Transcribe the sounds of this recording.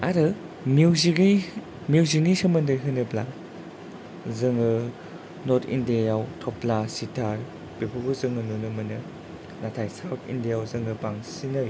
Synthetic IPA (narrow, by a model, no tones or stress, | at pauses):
aɾɯ | miwziɾi | miwzinisɐmɐndɐɾiɦɯnɯbla | zɯŋɯ | noɾtʰḭndiajawtʰɔplasitʰaɾ | b̥epʰuɡuzɯŋɯnunɯmɯnɯ | natʰajsawtʰḭndijawzɯŋɯbaŋsinɐɾi